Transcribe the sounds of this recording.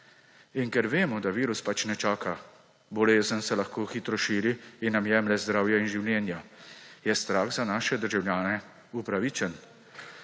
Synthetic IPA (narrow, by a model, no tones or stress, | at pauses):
iŋkɛɾʋeːmɔd̪aʋiːɾuspat͡ʃnɛt͡ʃaːka | bɔleːzənsɛlaxkoːxit̪ɾɔʃiːɾiinːamjɛːmlɛzd̪ɾaːwjainʒiwljɛːnjajɛst̪ɾaːxzanaːʃɛd̪əɾʒawljaːnɛ | upɾaʋit͡ʃɛn